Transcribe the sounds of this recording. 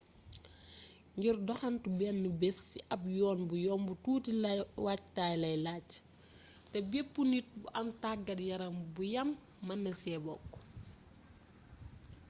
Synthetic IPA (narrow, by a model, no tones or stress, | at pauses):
ŋɡirdɔxɐntubɛnːubɛsiʔɐp̚jɔːnbujɔːnbutuːtiwactaːjlɐjlac | tɛbɛpːunit̚buʔɐmtaɡɐdjɐɾɐmbujɐmː | ɐnːɐsɛːbɔkː